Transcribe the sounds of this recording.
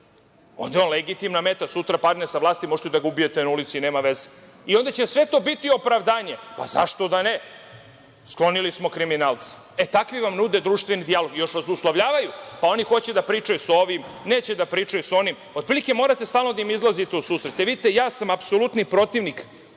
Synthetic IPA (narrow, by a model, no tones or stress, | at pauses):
o̞̰nd̪ajo̞nlˠeɡit̪imnamet̪asut̪ɾapaɾd̪nesaʋlˠaːst̪imoʒt̪ud̪aɡaubijet̪enaulit̪sineːmaʋe̞ze | io̞nd̪at͡ɕe̞sʋe̞t̪o̞bit̪io̞pɾaʋd̪aːɲepa̰za̰ʃt̪o̞d̪ane | sklˠo̞nilismokɾiminaːlˠt̪si̥ | et̪akʋiʋamnud̪e̞d̪ɾuːʃt̪ʋenid̪ijalo̞ɡjo̞ʃʋasuslˠoʋʎaːʋajupao̞nixo̞t͡ɕed̪apɾiːt͡ʂajuso̞ʋim | ne̞ːt͡ɕed̪apɾiːt͡ʂajuso̞nim | ot̪pɾilike̞mo̞ːɾat̪e̞st̪aːlˠno̞d̪aimizlˠazit̪eusuːsɾet̪eʋid̪it̪ejaːsamapsolut̪nipɾo̞t̪iʋnik